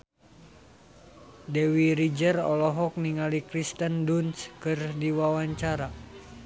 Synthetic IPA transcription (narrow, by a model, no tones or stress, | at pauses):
dɛwiɾid͡ʒərɔlɔɦɔk̚niŋalikɾist̪əndunskɨrdiwawaɲt͡ʃaɾa